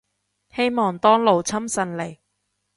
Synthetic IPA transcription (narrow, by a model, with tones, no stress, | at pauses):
he˥jmɔː˨˩ŋt̪ɔː˥ŋlo˨wt͡sʰɐ˥msɐ˨nle˨˩j